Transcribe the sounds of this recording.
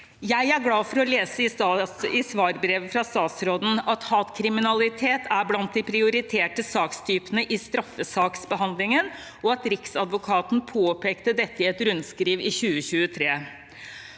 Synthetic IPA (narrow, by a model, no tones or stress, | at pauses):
jæɪæɾɡlɑːfɔɾɔleːsəɪsɪsʋɑːɾbɾeːʋəfɾɑst̪ɑːt̪sɾoːd̪n̩ɑt̪hɑːt̪kʰɾɪmɪnɑlɪt̪ʰeːt̪ʰæblɑnt̪̚d̪ɪpʰɾɪʊɾɪt̪ʰeːʈəsɑːkst̪ʰyːpənəʔɪst̪ɾɑfːəsɑːksbəɦɑnd̪lɪŋən | ɔɑt̪ɾɪksɑd̪ʋʊkʰɑːt̪n̩pʰoːpʰeːkt̪əd̪ɛt̪ːəɪɛt̪ɾʉnskɾiːʋɪçʉːəçʉːət̪ʰɾeː